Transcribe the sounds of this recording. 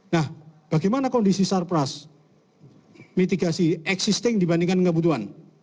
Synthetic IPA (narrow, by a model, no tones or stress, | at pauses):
nahb̥aɡajmanakɔndisisarpɾas | mit̪iɡasiɛksist̪ɪŋdibandiŋkankəbut̪̬uɦan